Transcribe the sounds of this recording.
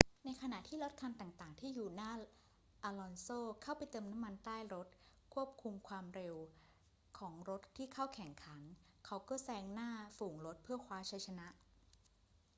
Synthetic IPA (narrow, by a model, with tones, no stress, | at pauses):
na˧jkʰa˧na˨˩ʔt̪ʰiː˥˩ɾo˦˥t̪̚kʰa˧nt̪aː˨˩ŋt̪aː˨˩ŋt̪ʰiː˥˩juː˨˩naː˧˥˩ | ʔaː˧lɔː˧nsoː˥˩kʰa˥˩wpa˧jt̪ɤː˧mna˦˥mːa˧nt̪aː˥˩jɾo˦˥t̪̚ | kʰu˥˩əp̚kʰu˧mkʰwaː˧mɾe˧w | kʰɔː˩˦ŋɾo˦˥t̪ʰːiː˥˩kʰa˥˩wkʰɛ˨˩˦ŋkʰa˩˦n | kʰa˦˥wkɔː˥˩sɛː˦˧˩ŋnaː˥˩fuː˨˩ŋɾo˦˥t̪̚pʰɯː˥˩ɐkʰwaː˦˥t͡ɕʰa˧˥jt͡ɕʰa˧na˦˥ʔ